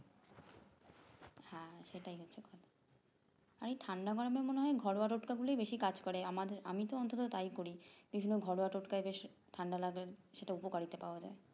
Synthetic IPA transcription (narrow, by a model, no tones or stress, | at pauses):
hãʃeʈajɦɛt͡ɕʰekɔd̪ | aɾejʈʰaɳɖaɡɔɽomeɾmoneɦɔeɡʱɔɽoaʈoʈkaɡulojbeʃikad͡ʑkɔɾeamad̪eɾa̰mit̪oɔnt̪ʰot̪ot̪ajkoɾib̥ibʱinːoɡʱɔɽoaʈoʈkaebeʃʈʰaɳɖalaɡeɾʃeʈaupokaɽit̪epaoad͡ʑa̰e